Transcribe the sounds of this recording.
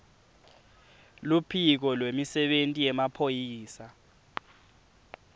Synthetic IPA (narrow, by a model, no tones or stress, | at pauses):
lupʰik̬ɔlwemisɛɓentʼijɛmapʰojiːsa